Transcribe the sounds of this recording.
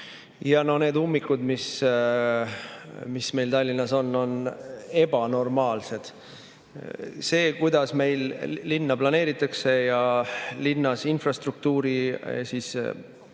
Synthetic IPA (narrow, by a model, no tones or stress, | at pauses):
jɑno̞ne̞ːd̪umːikːud̪mis | misme̞jlt̪ɑlʲːinːɑso̞nːo̞ne̞bɑno̞rmɑːlse̞d̪̥ | se̞ːkujd̪̥ɑsme̞jlːinːɑplɑne̞ːɾit̪ːˑɑkse̞jɑlinːɑsinfrɑst̪ruk̚t̪uːɾisiːs